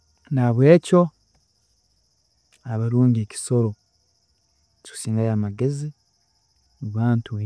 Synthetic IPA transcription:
naβwe̞ːco̞ | aβaɾuːɲɡeːci̥so̞ɾo̞ | ci̥u̥siːŋɡajaːmaɡe̞zi | uβaːntu

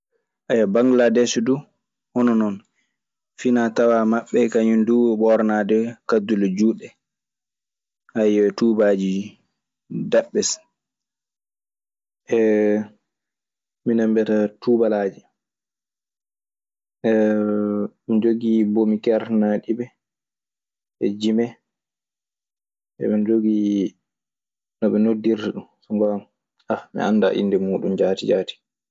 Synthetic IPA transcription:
ʔajabaŋɡladɛsdu | hɔnɔnɔn | finatawamaɓːɛkaɲindubɔɾnadɛkadulɔd͡ʒuːɗɛ | ʔajɛtuːbad͡ʒi | daɓːɛs | ʔɛ | minambɛtatubalaːd͡ʒi | ɛ | mind͡ʒoɡibomikɛɾnaɗibɛ | ʔɛd͡ʒimɛ | ɛ̰mɛnd͡ʒoɡi | nɔɓɛnodːiɾtɛɗunsuŋɡɔ | ʔamḭʔa̰nda̰ʔḭndɛmuːɗumd͡ʒaːtid͡ʒaːti̥

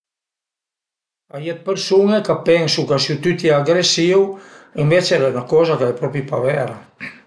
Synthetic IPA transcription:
ajet̪̚peɾsunekapɛnsukasut̪yt̪ɛaɡɾesiwembet͡ʃɛɾɛunakɔzakaðepɾɔpipaβɛɾa

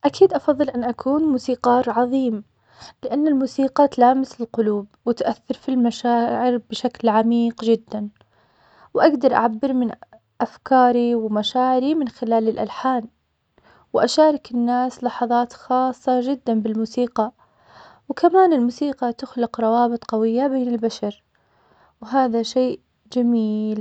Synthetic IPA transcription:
ʔakiːd̪ʔɑfɑðˤːɨlʔɪnːʔakʰuːnmuːsiːqɑːɾʕɑðˤiːm | lɪʔanːalmuːsiːqɑt̪alaːmɪsɪlqʊluːbwɪt̪ʔaθːɑɾˤfilmaʃaːʕɪɾbɪʃaklʕamiːqd͡ʒɪd̪ːan | wʔaɡd̪ɑɾˤʔa̰ʕabːɪɾmɪn | ʔafkɑːɾiwmaʃaːʕɪɾimɪnxɪlaːlɪlʔa̰lħaːn | wʔaʃaːɾˤɑkɪnːaːslɑħɑðˤɑːt̪xɑːsˤːɑd͡ʒɪd̪ːanbɪlmuːsiːqɑ | wkamaːnɪlmuːsiːqɑt̪ʊxlɪqɾˤɑwɑːbɨt̪ˤqɑwɪjːabeːnɪlbaʃɑɾ | wɦaːðaʃeːʔ | d͡ʒamiːl

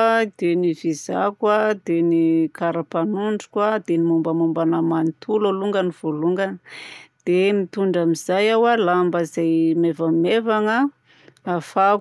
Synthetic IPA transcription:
d̪̥enivizakwad̪̥enikaɾapanuɳɖ͡ʐu̥kwad̪enimumbəmumbanamanit̪ʰuloluŋɡəniv̥oluŋɡənd̪̥emit̪uɳɖ͡ʐamiz̥ajawalambəzajmevamevaŋə | afa

